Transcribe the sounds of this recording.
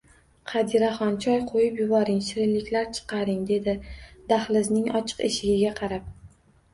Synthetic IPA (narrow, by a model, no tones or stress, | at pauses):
qʰɑd̪iɾaχɒnt͡ʃʰɒjqʰojɪpjʊbɒɾɪŋʃɪɾɪnlɪkʲlaɾt͡ʃʰɨ̥qɑɾɪŋd̪e̞d̪ɪd̪aχlɪznɪŋɒt͡ʃʰɨ̥qeʃɪɡʲɪɡʲaqʰɑɾap̚